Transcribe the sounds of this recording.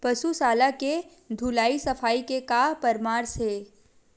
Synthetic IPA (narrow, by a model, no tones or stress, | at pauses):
pɐsusaːlake | d̪ʱulaːisɐfaːikekaːpɐɾmaːɾseː